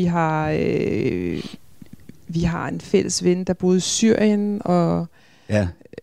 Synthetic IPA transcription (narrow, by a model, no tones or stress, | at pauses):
iɦɑ̈ | ʋiɦɑ̈e̝nfel̰əsʋenəd̥ɑ̈b̥o̝ːð̞̩ˠsyɐ̰jənɒ̽